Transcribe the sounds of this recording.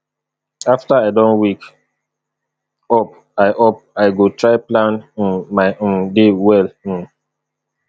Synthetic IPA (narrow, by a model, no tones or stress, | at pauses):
aftaaɪdɔ̃nwik | ɔp̚ | aɪʔop̚aɪɡotʰɹaɪplãnĩnmaɪ̃ndewɛlĩn